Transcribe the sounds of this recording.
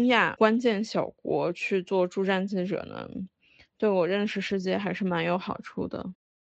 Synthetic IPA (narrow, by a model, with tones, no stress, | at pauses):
ŋja˥˩kwa˥nt͡ɕjɛ˥˩nɕjɑ˨˩ʊkwɔ̰˧˥t͡ɕʰy˥˧t͡swɔ˥˧ʈ͡ʂu˥˧ʈ͡ʂa˥˧nt͡ɕ̩ʰ˥˩ʈ͡ʂɤ̰˨˩nə̰˧˥ŋ | t̪we˥˩ɪwɔ˨˩ɻə˥˧nʂɻ̩˥˧ʂɻ̩˥˧t͡ɕjɛ˥˩xa˧˥ɪʂɻ̩˥˩ma˧˥njo˧˥ʊxɑ˨˩ʊʈ͡ʂʰṵ˥˩d̪ə̰˩